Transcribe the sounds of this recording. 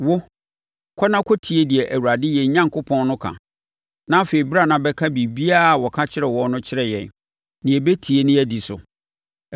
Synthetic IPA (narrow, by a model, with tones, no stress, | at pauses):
wʊ˦ | kʰɔ˦nã˦kʰɔ˦tʰi˨e˦di˨ɛ˨ʔæ˨wu˨ɾa˨dɪ˦jɛ˨˦ɲã˦ŋkʊ˦pʰɔ̃˦nnʊ̃˦kʰã̰˨ | nã˦fe˨i˨ba˦˨nã˨bɛ˦kʰa˦bi˨bi˦a˦˨wɔ˨kʰa˦t͡ɕʰɪ˦ɾɛ˨wɔ˦nʊ̃˦t͡ɕʰɪ˦ɾɛ˨jɛ̰̃˨n | nɪ̃˨ɛ˨be˦tʰi˨e˦nɪ̃˦ɛ˦di˨sʊ̰˨